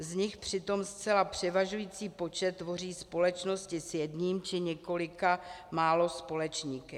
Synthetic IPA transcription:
zɲɪxpr̥ɪt̪o̞mst͡sɛlapr̝̥ɛvaʒujiːt͡siːpo̞t͡ʃɛt̪ːvo̞riːspo̞lɛt͡ʃno̞scɪsjɛdɲiːmt͡ʃɪɲɛko̞lɪkamaːlo̞spo̞lɛt͡ʃɲiːkɛ

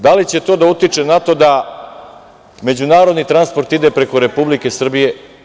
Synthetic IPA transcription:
d̪alit͡ɕe̞t̪o̞ːd̪aut̪it͡ʂe̞nat̪o̞d̪a | me̞d͡ʑunaːɾod̪nit̪ɾanspo̞ɾt̪id̪e̞pɾe̞ko̞ɾe̞publike̞sr̩bije̞

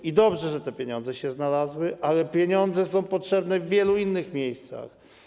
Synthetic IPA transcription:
id̪ɔbʐɛʐɛt̪ɛpʲjeɲɔ̃nd̪zɛɕɛznalazwɘʔalɛpʲjeɲɔnd̪zɛs̬ɔ̃w̃pɔtʂɛbnɛvːʲjɛluinːɘxmʲjejst̪sa̰x

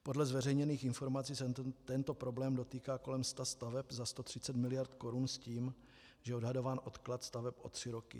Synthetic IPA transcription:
po̞dlɛzvɛrɛjɲɛniːxɪnfo̞ɾmat͡siːst̪ɛnt̪o̞pɾo̞blɛːmdo̞t̪iːkaːko̞lɛmst̪ast̪avɛpzast̪ot̪r̥ɪt͡sɛt̪mɪlɪjaɾt̪ko̞ɾunsciːm | ʒɛɛodɦado̞vaːnʔo̞t̪klat̪st̪avɛpʔo̞̰t̪r̝̥ɪɾo̞kɪ̰

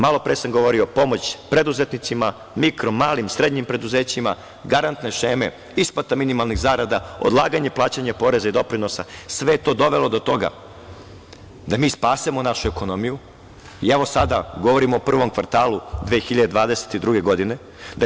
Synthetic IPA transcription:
malˠo̞pɾeːsamɡo̞ʋo̞ɾiopo̞mo̞t͡ɕpɾe̞d̪uze̞t̪nit̪sima | mikɾomaːlimsɾe̞d̪ɲimpɾe̞d̪uze̞ːt͡ɕima̰ | ɡaɾant̪ne̞ʃe̞ːme | isplat̪aminimalˠniɣzaːɾad̪aod̪lˠaːɡaɲe̞plˠaːt͡ɕaɲapo̞ɾe̞zaid̪o̞pɾino̞sa̰sʋejet̪o̞ːd̪o̞ʋe̞lo̞d̪ot̪o̞ɡa̰ | d̪amiːspaːsimonaʃueko̞nomiju | iɛʋo̞sad̪aɡo̞ʋo̞ɾimoːpr̩ʋo̞mkʋaɾt̪aːlˠud̪ʋeːxiʎad̪ed̪ʋaːd̪ese̥t̪id̪ɾuɡe̞ɡo̞d̪ine̞ | d̪a

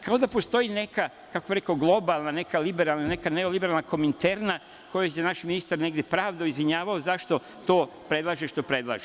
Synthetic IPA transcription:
kʰao̞d̪apo̞st̪o̞jine̞ka | kakobiɾekaoɡlˠo̞balˠnane̞kalibeɾalˠnanekaneolibeɾalˠnako̞mint̪eɾna | ko̞jojenaʃminist̪aɾne̞ɡd̪ʲjepɾaːʋd̪aizʋiɲaːʋaozaʃt̪o̞ | t̪o̞ː | pɾe̞d̪lˠaʒeʃt̪opɾe̞d̪lˠa̰ʒe

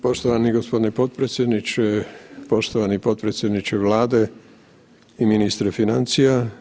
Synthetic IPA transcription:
po̞ʃt̪oʋaniɡospo̞d̪inipot̪̚pɾet̪sjed̪nit͡ʃepo̞ʃt̪oʋanipo̞t̪̚pɾet̪sjed̪nit͡ʃeʋlaːd̪e | iminist̪ɾefinant̪sija

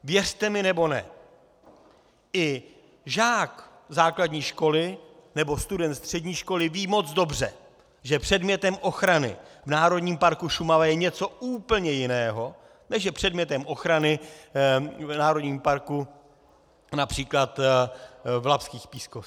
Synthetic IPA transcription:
vjɛrt̪ɛmɪnɛbo̞nɛ̰ | ɪ | ʒaːk | zaːkladɲiːʃko̞lɪnɛbo̞st̪udɛnt̪st̪r̥ɛdɲiːʃko̞lɪviːmo̞t͡sd͡zdo̞br̝ɛ̰ | ʒɛpr̝̥ɛdmɲɛt̪ɛmʔo̞xɾanɪ̰vnaːɾo̞dɲiːmpaɾkuʃumavajɛɲɛt͡so̞uːpl̩ɲɛjɪnɛːɦo̞ | nɛʒjɛpr̥ɛdmɲɛt̪ɛmʔo̞xɾanɪ | vnaːɾo̞dɲiːmpaɾku | napr̥iːklat̪ | vlapskiːxpiːskos

